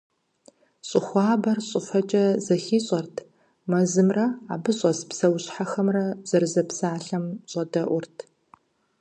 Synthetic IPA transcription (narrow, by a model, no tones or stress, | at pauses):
ɕʼʊxʷɑːbɐrɕʼɨfɐt͡ʃʼɐzɐxiːɕʼɐrtʰ | mɐzɨmrɐa̰ːbɨɕʼɐspsɐwɕħaxɐmrɐz̥ɐrzɐpsaːɬɐmɕʼɐdɐʔʷʊrtʰ